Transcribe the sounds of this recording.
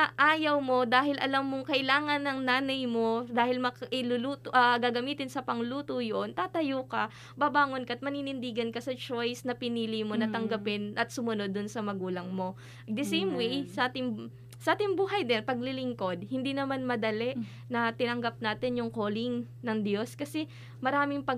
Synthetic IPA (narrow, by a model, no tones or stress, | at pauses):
ɐʔaːjɐwmo̞d̪aːɦɪlʔɐlɐmːoŋkɐʔɪlaːŋɐnːɐŋnaːnɐjmo̞d̪aːɦɪlmɐʔɪlʊluːt̪oʔɐɡaːɡɐmiːt̪ɪnsɐpɐŋluːt̪ojoʔont̪aːt̪ɐjoːkɐ | babaːŋo̞nkɐʔːt̪mɐniːnɪnd̪iːɡɐnkɐsɐt͡ʃojsnɐpɪniːlɪmo̞nɐt̪ɐŋɡɐpɪnʔɐt̪̚sʊmʊno̞d̪ːʊnsɐmɐɡuːlɐŋmo̞ | d̪ɪsejmwɛjsɐʔaːt̪ɪŋ | sɐʔaːt̪ɪŋbuːɦɐjd̪ɛnpɐɡ̚lɪlɪŋko̞d̪̚hɪnd̪inɐmanmɐd̪ɐlɛʔ | nɐt̪ɪnɐŋɡap̚naːt̪ɛnjʊŋko̞ːlɪŋ | nɐŋd̪jo̞skɐsɛ | mɐɾaːmɪŋpɐ